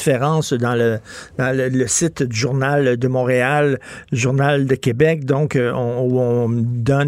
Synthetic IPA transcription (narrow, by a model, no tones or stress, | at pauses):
feʁɑ̃ːsd̪ɑ̃ləd̪̥ɑ̃lələsɪt̪d̪yʒuʁnald̪əmɔ̃ːʁealʒuʁnald̪əkʲebɛk̚d̪ɔ̃kɔ̃uɔ̃d̪ɔn